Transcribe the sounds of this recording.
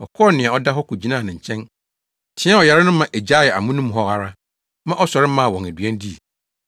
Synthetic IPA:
ɔ̰˨kʰɔ˦nɪ̃˨a˨ɔ˦da˦ɦɔ˦kʰu˨d͡ʑi˦nã˦˨nɪ̃˨ɲ̩˨t͡ɕʰɛ̃˦n | tʰɪ̃˦a˦ɔ˨ja˨ɾɪ˦nʊ̃˦mã˨ʔe˨d͡ʑa˦˨jɛ˨a̰˨mʊ̃˦nũ˦mɦɔ˦ha˨ɾa˦ | mã˦ʔɔ˦sɔ˨ɾɪ˦mã˦˨wɔ̃˨næ˨dɥæ̃˦n˦di˦˨

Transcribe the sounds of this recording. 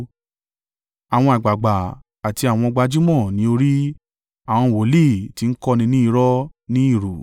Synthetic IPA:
a˨w̃ɔ̃˧a˨ɡ͡ba˨ɡ͡ba˨ | a˨ti˧a˨w̃ɔ̃˧ɡ͡ba˧d͡ʒu˦mɔ̃˦˨nĩ˨˦o˧ɾi˦ | a˨w̃ɔ̃˧˨wo˨˦le˦˨ti˧n̩˦kɔ˦˧nĩ˧˦nĩ˦i˧˦ɾɔ˦nĩ˦i˦˨ɾo˨

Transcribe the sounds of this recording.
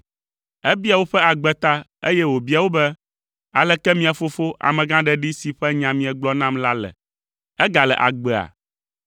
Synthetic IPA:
ɛ˦bi˦a˨wo˦ɸɛ˦a˨ɡ͡bɛ˨t̪a˦ḛ˦jɛ˦wo˨bi˦a˨wo˦bɛ˦ | a˨lɛ˨kɛ˦mĩ˦a˨fo˦fo˦ʔa̰˨mɛ̃˨ɡã˦ɖɛ˨ɖi˦si˨ɸɛ˦ɲã˨mĩ˨ɛ˨ɡ͡blɔ˦nã˦mla˦lɛ̰˨ | ɛ˦ɡa˨lɛ˨ʔa̰˨ɡ͡bɛ˨a̰˨

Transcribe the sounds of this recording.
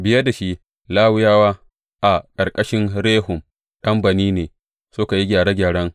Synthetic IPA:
bɪ˦jɐ˦da˨ʃi˦ | laː˦wʊ˦jaː˦waː˦ | ʔa˨kʼɐ˨rkʼɐ˦ʃɪ˦nɽeː˦hʊ˨m | kɐ˦mbɐ˨niː˦neː˨ | sʊ˦ka˨ji˦ɡʲaː˨ɽa˦ɡʲaː˨ɽɐ˦ŋ

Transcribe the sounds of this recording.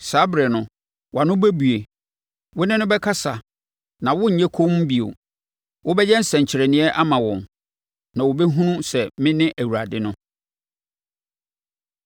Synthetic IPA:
saː˨˦bɾɛ˨nʊ̃˨ | wa˨nʊ̃˦bæ˦bu˨e˨ | wʊ˦nɪ̃˦nʊ̃˦bɛ˦kʰa˦sa˨ | nã˨wʊ˦ɲ̩˨ɲɛ̃˦kʰo˦m̩˦bi˨o̰˨ | wʊ˦bɛ˦jɛ˦n̩˦sɛ̃˨ɲ̩˨t͡ɕʰɪ˨ɾɛ˨nɪ̃˦ɛ˦ʔa˦mã˨wɔ̃˨m | nã˨wʊ˨bɛ˦ɦũ˦nũ˦sɛ˨mɪ̃˦nɪ̃˦ʔæ˨wu˨a̰˨dɪ˦nʊ̃˦

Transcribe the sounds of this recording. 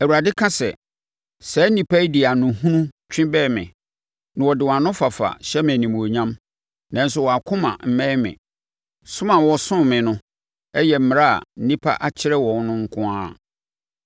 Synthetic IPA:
æ˨wu˨ɾa˨dɪ˦kʰã˦sɛ˨ | sɛ˨˦nĩ˨pʰa˦i˦di˨a˨nʊ̃˨hũ˦nũ˦t͡ɕᶣʰɪ̃˦bɛ˦˨mɪ̰̃˨ | nã˨wɔ˨dɪ˨wɔ̃˨ã˨nʊ̃˦fa˨fa̰˨ɕɛ˦mɪ̃˨nĩ˨m˨o˨ɲã˦m | nã˨n̩˦s̬ʊ˦wɔ˨a˨kʰʊ̃˦mã̰˨m̩˨mɛ̃˦mɪ̰̃˨ | sʊ̃˦mã˨wɔ˨sʊ̃˦mɪ̃˨nʊ̃˦ | ɛ˦jɛ˨m̩˦mɪ̃˨ɾa˦a̰˨n̩˦nĩ˦pʰa̰˦ʔa˨t͡ɕʰɪ˦ɾɛ˦wɔ̃˨n˦nʊ̃˦ŋ̩˦kʰʊ̃˦aː˦˨

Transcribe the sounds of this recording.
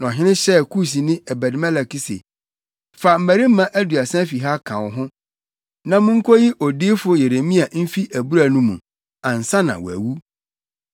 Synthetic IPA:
n˨ɔ˨ɦɪ̃˦nɪ̃˦ɕɛ˦kʰu˦˨s̬i˨nɪ̃˦ɛ˨bæ˨dɪ˨˦mɛ˦la˨ki˦sḛ˨ | fa˨m̩˦mæ˨ɾi˦m̩˦mã˦ʔæ˦dɥa˨sã˦fi˨ɦa˦kʰã˨wʊ˨ɦʊ̃˦ | nã˦mʊ̃˦ŋ̩˦kʰɔ˦ji˦ʔɔ˨dɪː˦fʊ˦je˨ɾe˨mĩ˦a˨m̩˦fi˦ʔæ˨bu˦ɾa˨nũ˦mũ˨ | ã˨n̩˨sã˦nã̰˨wæ̰˨wu˦

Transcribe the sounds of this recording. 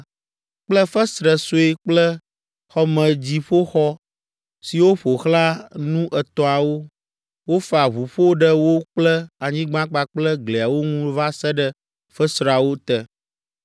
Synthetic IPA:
k͡plə˦fə˦sɾə˨so˨˦e˦k͡plə˦ | xɔ˦mə̃˨d͡ʑi˨ɸo˦xɔ˦ | si˨wo˦ɸo˨xla˦nũ˦ʔɛ˨t̪ɔ̃˨a˨wo˦ | wo˦fa˨βu˨ɸo˦ɖə˦wo˦k͡plə˦a˨ɲĩ˦ɡ͡bã˦k͡pa˨k͡plə˦ɡle˨a˨wo˦ŋũ˦va˦sə˦ɖə˦ | fə˦sɾa˨wo˦t̪ɛ˦

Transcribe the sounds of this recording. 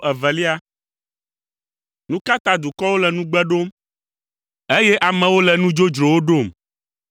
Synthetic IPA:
ɛ˨vɛ˨li˦a˦ | nũ˦ka˦t̪a˦d̪u˨kɔ˦wo˦lɛ˨nũ˦ɡ͡bɛ˦ɖo˦m | e˦jɛ˦ʔa˨mɛ̃˨wo˦lɛ˨nũ˦d͡ʒo˦d͡ʒɾo˨wo˦ɖo˦˨m

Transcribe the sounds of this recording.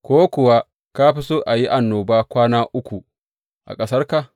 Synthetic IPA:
kʷoː˦kʷʊ˨wa˦ | ka˦ɸi˦su˦ʔa˨ji˦ʔa˨nːoː˨baː˦kʷaː˦naː˦ʔʊ˦kʷu˨ | ʔa̰˨kʼɐ˦sɐ˦rka˨

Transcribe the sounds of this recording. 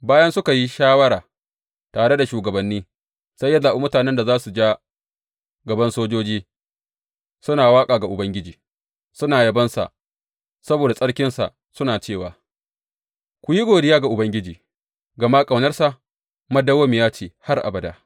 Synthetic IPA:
baː˦jɐ˦nsʊ˦ka˨ji˦ʃaː˦wɐ˦ɽaː˨ | taː˨ɽe˦da˨ʃuː˨ɡɐ˨bɐ˨nːiː˦ | sɐ˦jːɐ˦zaː˨ʔu˦mʊ˦taː˨nɛ˦nda˨zaː˦su˨d͡ʒaː˦ | ɡɐ˨bɐ˦nsoː˦d͡ʒoː˦d͡ʒiː˦ | sʊ˦naː˨waː˦kʼaː˨ɡa˨ʔʊ˨bɐ˦ŋɡʲɪ˦d͡ʒiː˨ | sʊ˦naː˨jɐ˦bɐ˦nsa̰˨ʔ | sɐ˦boː˨da˨sʼɐ˦ɽkʲɪ˦nsa̰˨ʔ | sʊ˦naː˨t͡ʃeː˦˨waː˨ | kʷʊ˨ji˦ɡʷoː˨dɪ˦jaː˦ɡa˨ʔʊ˨bɐ˦ŋɡʲɪ˦d͡ʒiː˨ | ɡɐ˨ma˦kʼa˨wnɐ˦rsa˨ʔ | mɐ˦dɐ˦woː˦mi˨jaː˦t͡ʃeː˨ha˦rʔa̰˨bɐ˨daː˦

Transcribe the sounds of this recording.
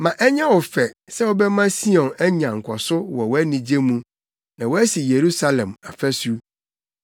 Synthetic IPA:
mã˨ʔɛ˦ɲã˦wɔ˨fɛ˨sɛ˦wɔ˦bɛ˦mã˦si˦ɔ̃˨nɛ˦ɲã˨ŋ̩˨kʷʰɔ˨sʊ˦wɔ˨wɔ˦æ˦nĩ˨d͡ʑe˦mũ˦ | nã˨wɔ˦æ˦si˨je˨ɾu˦sa˦lɛ̃˨ma˨fæ˦su˦

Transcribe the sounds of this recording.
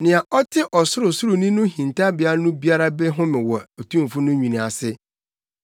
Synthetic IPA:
nɪ̃˨a˨ʔɔ˦tʰɪ˦ʔɔ˨sʊ˦ɾʊ˨sʊ˦ɾʊ˨nĩ˦nʊ̃˦ɦĩ˨n˨tʰa˦bɪ˨a˦nʊ̃˦bi˦a˦ɾa˦bɛ˦ɦʊ̃˦mɪ̃˨wɔ˨o˨tʰũ˦m˨fʊ˦nʊ̃˦ɲᶣĩ˨ñ˨a˨sɪ˦

